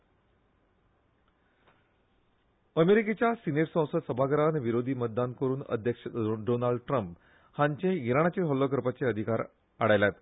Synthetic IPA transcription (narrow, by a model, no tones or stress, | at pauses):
əmeɾiket͡ɕjasineɾsə̃w̃səd̪səbʱaɡəɾanʋiɾod̪ʱiːmət̪̚d̪ankəɾuːnə̰d̪ʱjəkʂəɖonaɭɖʈɾəmp | hãɲt͡ɕẽiɾaɳ̃at͡ɕeɦɔlːokɾəpat͡seəd̪ʱikaɾ | aɽajlat̪